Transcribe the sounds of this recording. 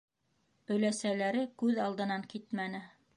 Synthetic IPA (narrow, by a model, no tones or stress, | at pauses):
ɵ̆læsælæɾɘkʉðɑlˠd̪ɤ̆nɑŋkit̪mænɘ